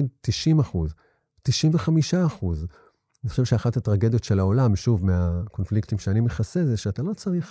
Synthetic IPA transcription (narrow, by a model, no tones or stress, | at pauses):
idtiʃimaχuz | tiʃimveχamiʃaːχuz | aniχo̞ʃevʃeaχatatʁaɡe̞d̪jo̞tʃelaolamʃuvmeako̞nfliktimʃeanimeχasezeʃeatalo̞t͡saʁiχ